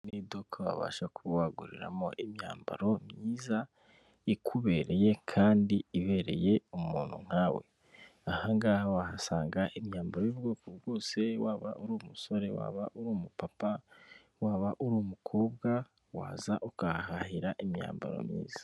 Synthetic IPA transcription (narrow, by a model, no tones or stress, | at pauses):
nidokʰoβa̰βa̰ʃakuwaɡuɾḭɾa̰moʔimɲa̰ːmba̰ɾo̞mɲiːza | ikʰuβe̞ɾe̞je̞kʰaːndiiβe̞ɾe̞̰je̞umuːnhṵŋ̥haːwe̞̰ | ahaŋɡaːhaβahasaːŋɡaʔimɲaːmbaɾoibɡokoβɡo̞ːse̞waːβa̰ʔuɾuːmuso̞ɾe̞wa̰ːβa̰ʔuɾuːmupapa | waːβaʔuɾuːmukʰoːbɡa | wa̰ːzaʔukahahiɾaʔimɲa̰ːmba̰ɾo̰mɲḭːz̥ḁ